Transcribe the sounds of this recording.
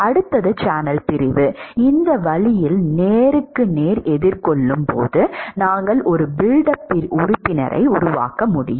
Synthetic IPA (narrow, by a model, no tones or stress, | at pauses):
ɐɽɯt̪ːɐðɯt͡ʃaːnɐlpɪɾɪʋɯɪnd̪ɐʋɐɭɪjɪlneːɾɯkːɯneːɾɛðɪɾkɔɭːɯmpo̰ːðɯnaːŋɡɐɭʔɔɾɯbɪɻɖɐpːɪɾʊɾʊpːɪnɐ̰ɾʔɐ̰ɪʊɾʊʋa̰ːkɐmʊɽɪ̰jɯm